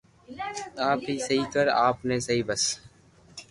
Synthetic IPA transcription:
aːpɦiːsɐɦik̪ɐɾa̰ːpnẽsɐɦibɐs

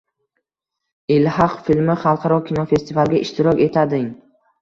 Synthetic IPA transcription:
ɪlhɑqfilmɪχɑlˠqʰɑɾɒkʲʰinɒfe̞st̪ʰivalˠɡʲaʔɪʃt̪ʰɪɾɒkʲe̞t̪ʰad̪ɪŋ

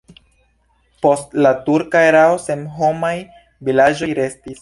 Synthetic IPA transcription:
po̞stlatuɾkaeɾaosemɦo̞maj | vilad͡ʒo̞jɾe̞stis

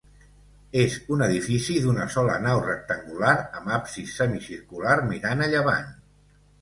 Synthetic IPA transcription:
ezunəðifisiðunəsɔlə̰nawrək̚t̪əŋɡulaɾəmapsisəmisiɾkulaɾmiɾanəʎəβa̰ɲ

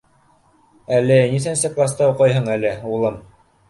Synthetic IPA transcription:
ælɘniθænsɘk̪ˠɑst̪ɑwqɑjɦɤɴælɘulˠɤm

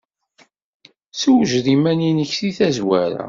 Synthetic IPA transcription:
suwʒðimæninəçθiθæzwæɾa̰

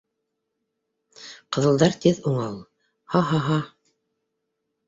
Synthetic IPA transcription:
qɤ̆ðɤ̆lˠd̪ɑɾt̪iðuɴɑlˠ | hɑɦɑɦɑ

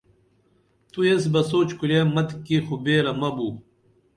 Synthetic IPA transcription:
t̪ues̬bɐsoːt͡ɕkulaːmɐt̪kːixubeːɾɐmɐbu

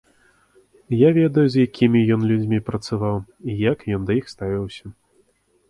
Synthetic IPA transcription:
javʲɛd̪ɐjuzjakʲʰimʲijɔnlʲud͡zʲmʲipɾɐt̪savawijakjɔnd̪ɐjixst̪avʲiwsʲɐ

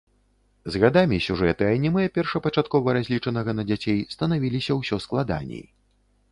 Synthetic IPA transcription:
zɣad̪amʲisʲuʐɛt̪ɨajnʲimɨɐpʲɛrʂɐpɐt͡ʂat̪̚kɔvɐɾazʲlʲit͡ʂɐnɐɣɐnɐd͡zʲat͡sʲejst̪ɐnavʲilʲisʲɐwsʲɔsklˠad̪a̰nʲḛj

